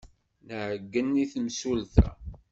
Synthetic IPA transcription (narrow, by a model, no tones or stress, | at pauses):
nəʕəɡːənːiθmsulθæ̰